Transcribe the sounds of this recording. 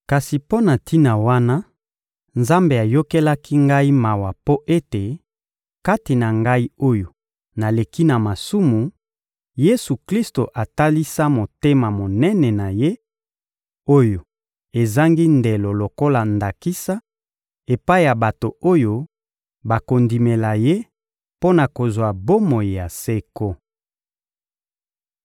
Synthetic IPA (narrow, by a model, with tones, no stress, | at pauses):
ka˨si˨po˦na˨tʰi˦na˨wa˦na˦ | nza˦mbe˨a˨jo˦ke˦la˦kʰi˦ŋɡa˦i˦ma˨wa˨po˦ʔe˦te˨ | ka˦ti˨na˨ŋɡa˦i˦o˦jo˨ | na˨le˨ki˦na˨ma˨su˦mu˨ | je˦su˨kli˦sto˨ʔa˨ta˦li˦sa˦mo˨te˦ma˨mo˨nɛ˦nɛ˨na˨je˦ | o˦jo˨ | e˨za˦ŋɡi˦nde˨lo˨lo˨ko˦la˨nda˨ki˦sa˦ | e˨pa˦i˦ja˨ba˨to˨o˦jo˦ | ba˨ko˨ndi˨me˨la˨je˦ | po˦na˨ko˨zwa˨bo˦mo˨ji˨ja˨se˦ko˦